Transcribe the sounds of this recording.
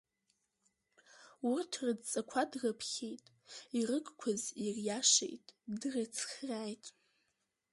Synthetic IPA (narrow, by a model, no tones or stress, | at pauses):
urtʰrɨdt͡sʼakʷʰadrəpʰχʲejtʼ | irɨkʼkʷʰazirjaʂḛjtʼdrat͡sʰχraːjtʼ